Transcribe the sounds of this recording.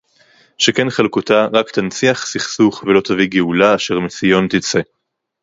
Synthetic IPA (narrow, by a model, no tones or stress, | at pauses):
ʃekenχalkut̪aʁakt̪ant͡siaχsiχsuχvelo̞t̪aviɡeulaːʃe̞ʁmesijo̞nt̪it͡se̞